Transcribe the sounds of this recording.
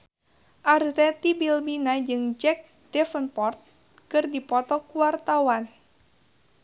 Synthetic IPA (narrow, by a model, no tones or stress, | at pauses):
ʔartɛt̪ibilbinad͡ʒɨŋd͡ʒɛk̚ | dɛfənpɔrt̪̚ | kɨrdipɔt̪ɔkuwart̪awan